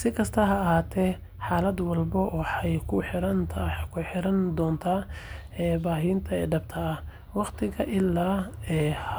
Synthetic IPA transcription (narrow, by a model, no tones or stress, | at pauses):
sɪkʰɐst̪ʰɐɦɐːɦaːt̪ʰɛ | ħaːlɐd̪wɑlbɔwħɛjkʰʊħɪɾɐnt̪ʰkʰʊħɪɾɐnd̪ɔːnt̪ʰaː | ɛːbaːɦɪːnt̪ʰɐɛ̰ːɖɐb̚t̪ʰɐɐ | wɑqt̪ʰɪɣɐʔɪlːaːɛːh